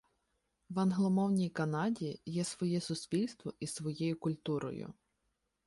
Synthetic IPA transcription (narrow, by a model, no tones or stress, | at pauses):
wɐnɦlˠɔmɔwnʲijkɐnɑdʲijɛsʋɔjɛsʊsʲpʲilʲst̪ʋɔʔisʋɔjɛjʊkʊlʲt̪uɾɔ̰jʊ̰